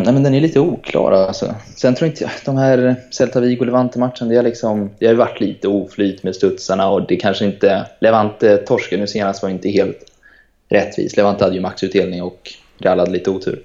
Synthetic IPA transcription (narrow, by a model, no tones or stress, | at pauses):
næjmɛnd̪ɛnæɭiːt̪əuːkʰlɑ̰ːɾa̰lsɔ̰sɛnʰɾuːjaɪnt̪əjd̪ɔmhæːɾsɛlt̪ʰaviːɡʊlɛvant̪əmaʈ̪ʂənad̪ɛaɭɪksɔmd̪ɛhajʏvaʈːliːt̪əuːflyːt̪meːd̪st̪ɵt̪saɳaɔd̪ɛkʰanʂəɪnt̪əlɛvant̪ət̪ʰːɔʂkənʉːseːnast̪vaɾjʏɪnt̪əɦeːlt̪ | ɾʔɛt̪ːvḭːslɛvant̪əhad̪ːəjʏmaksʉ̟t̪̚d̪eːlnɪŋɔk | ɾalːad̪əliːt̪əuːt̪ʰʉ̟̰ːɾ